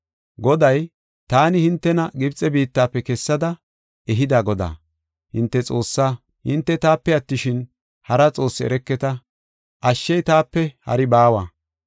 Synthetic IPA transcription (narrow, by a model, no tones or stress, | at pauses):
ɡɔd̪ɐj | t̪aːnɪhɪnt̪ːɛnɐɡɪbt͡sʼɛbiːt̪ːaːpːɛkɛsːɐd̪ɐ | ɛɦɪd̪aːɡɔd̪a̰ː | hɪnt̪ːɛt͡sʼo̞ːsːa | hɪ̰nt̪ːɛt̪aːpːɛɐt̪ːɪʃɪn | hɐɾɐt͡sʼo̞ːsːɪɛ̰ɾɛkːɛt̪ɐ | ʔɐʃːɛjt̪aːpːɛhɐ̰ɾɪbaːwɐ